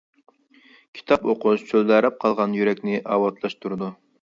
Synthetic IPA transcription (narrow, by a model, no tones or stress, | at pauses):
kʲʰi̥t̪ʰɑpoqʰʊʃt͡ʃʰøld̪æɾɛp̚qʰɑlˠʁɑnjyɾɛkʲnɪʔɑːwɑt̪ʰlˠɑʃt̪ʰuɾɨd̪u